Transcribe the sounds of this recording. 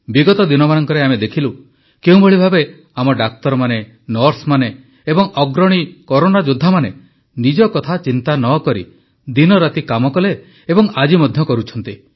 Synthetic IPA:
biɡɔt̪ɔd̪inɔmanɔŋkɔɾeamed̪ekʰilu | keũbʱɔɭibʱabe | amɔɖak̚t̪ɔɾɔmane | nɔɾsmane | ebɔŋɔɡɾɔɽ̃ikɔɾonad͡ʒud̪ʱːamane | nid͡ʒɔkɔt̪ʰat͡ʃint̪anɔkɔɾḭ | d̪inɔɾat̪ikamɔkɔleː | bɔŋad͡ʒimɔd̪ʱjɔkɔɾut͡ʃʰɔnt̪i

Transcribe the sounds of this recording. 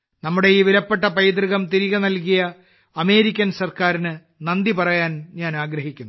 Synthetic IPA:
nɐmːuɽe̞jiːʋiɾɐpːe̞ʈːɐpɐjd̪riɣɐmt̪iɾiɣɐnɐlkijɐ | ɐme̞ːɾikʲːɐnsɐrkaːɾinɨ | nɐnd̪ipɐrɐjaːnɲaːnaːɡɾɐɦikʲːunː

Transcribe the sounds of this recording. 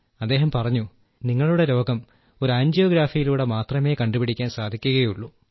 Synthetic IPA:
ɐd̪ːeːɦɐmpɐrɐɲːu | niŋːɐɭuɽe̞ɾo̞ːɡɐm | oɾaːɲd͡ʑjo̞ːɡɾaːfijiluːɽemaːt̪rɐme̞ːkɐɳɖubiɽikʲːaːnsaːd̪ʱikʲːuɣɐjuɭːu

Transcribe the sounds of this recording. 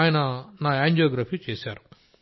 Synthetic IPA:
jɐnɐnaːaːɲd͡ʒaːɡɾɐpʰit͡ʃeːsaːɾu

